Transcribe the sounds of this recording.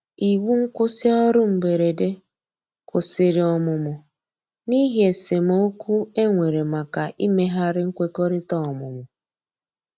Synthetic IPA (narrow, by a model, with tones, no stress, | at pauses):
i˨wu˦ŋ̩˦kʊ˦sɪ˦ɔ˦ɾʊ˦m̩˨be˨ɾe˨de˦ | kʊ˨sɪ˨ɾɪ˨ɔ˨mʊ˨mʊ˨ | ni˦ɦe˨se˨m˦o˦kʷu˦e˦ŋʷe˨ɾe˨ma˨ka˨ʔi˦me˦ɦa˦ɾɪ˦ŋ̩˦kʷe˦kɔ˦ɾɪ˦tɔ˦˨ɔ˨mʊ̰˨mʊ˨